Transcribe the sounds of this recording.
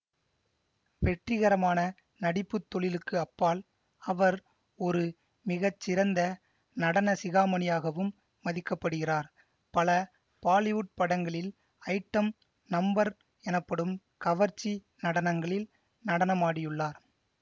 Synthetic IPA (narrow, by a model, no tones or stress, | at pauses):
ʋɛʈrɪɣɐɾɐmaːnɐ | nɐɽɪpːɯt̪ːɔɭɪlɯkːɯɐpːaːl | ɐʋɐɾ | ɔɾɯ | mɪɣɐt͡ʃːɪɾɐnd̪ɐ | nɐɽɐnɐsɪɣaːmɐnɪjaːɣɐʋɯmː | ɐðɪkːɐpːɐɽɯɣɪraːɾ | pɐlɐ | paːlɪʋʊʈ̚pɐɽɐŋɡɐɭɪl | ɐɪʈːɐm | nɐmbɐɾ | ɛnɐpːɐɽɯm | kɐʋɐɾt͡ʃːi | nɐɽɐnɐŋɡɐɭɪl | nɐɽɐnɐmaːɽɪjɯɭːaːɾ